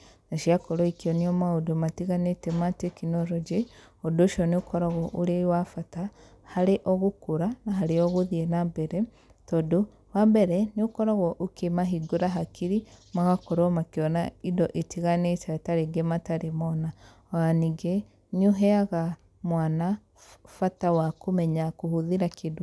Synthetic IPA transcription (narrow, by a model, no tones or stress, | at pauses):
naʃiakɔɾoikiɔniɔmaodomatiɣanetɛmatekinɔɾɔd͡ʒe | odoʃɔneokɔɾaɣɔʔuɾewafata | haɾeʔɔɣukuɾanaɦaɾeɔɣuðiɛnambɛɾɛ | tɔdo | wambɛɾɛneokɔɾaɣɔʔokemaɦiɡoɾaɦakʰiɾimaɣakɔɾɔmakeɔnaidɔʔetʰiɣanetataɾeɡemataɾemɔna | aniɡe | noɦɛaɣa | mwana | fatawakomɛɲakohoðiɾakʰedo